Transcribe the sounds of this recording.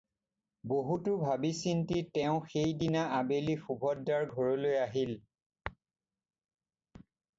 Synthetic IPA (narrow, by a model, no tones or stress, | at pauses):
boɦutʊbʱabisintitɛʊ̃xejdinaabelixubʱɔdːaɹɡʱɔɹolojaɦil